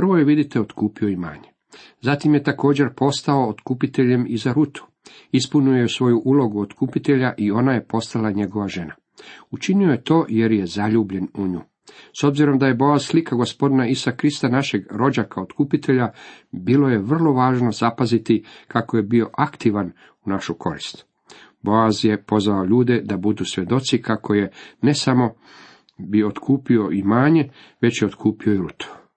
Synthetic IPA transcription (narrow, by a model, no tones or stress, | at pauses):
rʋo̞jeʋid̪it̪eo̞t̪kuːpio̞ima̰ːɲe | zat̪imje̞t̪ako̞ːd͡ʑe̞ɾpo̞st̪ao̞ːt̪kupit̪e̞ʎe̞mizaɾut̪u̥ | ispunujeusʋo̞juʔulo̞ɡuot̪kupit̪e̞ʎaʔio̞naje̞po̞st̪alaɲe̞ɡo̞ʋaʒe̞na | ut͡ʃinio̞je̞t̪o̞ːje̞ɾje̞zaʎuːbʎe̞nuɲṵː | so̞bziɾo̞md̪aje̞bojaslikaɡo̞spo̞d̪inaisakɾist̪anaʃe̞ɡɾo̞d͡ʒakʰaot̪kupit̪ʰe̞ʎa | bilˠo̞je̞ʋr̩lˠo̞ʋaːʒno̞z̥apazit̪ikakoje̞bio̞ʔakt̪iʋan | unaʃukʰo̞ɾist̪ | bo̞azje̞po̞zʋaoʎuːd̪e̞d̪abud̪usʋʲje̞d̪o̞t̪sikʰako̞je̞ne̞samo̞ | biood̪kʰuːpio̞imaːɲe̞ | ʋe̞t͡ɕjeod̪kʰuːpio̞iɾut̪ʰu̥